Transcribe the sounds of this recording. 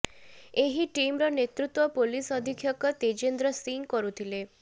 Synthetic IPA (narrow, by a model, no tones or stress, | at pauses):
eɦiʈimɾɔnet̪ɾut̪wɔpolisɔd̪ʱikʰjɔkɔt̪ed͡ʒend̪ɾɔsiŋkɔɾut̪ʰile